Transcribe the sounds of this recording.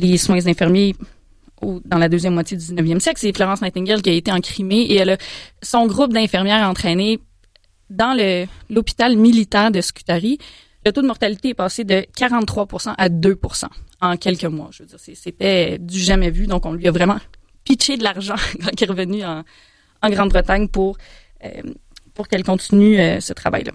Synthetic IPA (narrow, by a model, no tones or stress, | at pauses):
leswɛ̃zɛ̃fɛʁmje | od̪ɑ̃lad̪øzjɛmːwat͡sjed̪yd̪iznəvjɛmsjɛklseflɔʁɑ̃smat̪ɛ̃ŋɡʲɛʁlkʲiaet̪eɑ̃kχimeeɛlʌsɔ̃ɡʁʊp̚d̪ɛ̃feʁmjɛːʁaɑ̃t̪χɛːne | d̪ɑ̃ləlɔpi̥t̪almilit̪ɑ̃d̪əskʲy̥t̪aʁi | lət̪od̪əmɔʁt̪alit̪eɛpaːsed̪əkʲaʁɑ̃t̪ːχwapuʁsɑ̃ʔad̪øpuʁsɑ̰̃ɑ̃kʲɛlkəmwa̰ʒəvød͡zziːʁseset̪ɛd̪yʒamɛvyd̪ɔ̃kɔ̃lɥiavʁɛmɑ̃ | pit͡ʃed̪laʁʒɑ̃kɑ̃kʲɛʁəvənyɑ̃ | ɑ̃ɡʁɑ̃d̪bʁət̪aɲpuʁ | ø̰puʁkɛlkɔ̃t̪sinyøsət̪χa̰va̰jla̰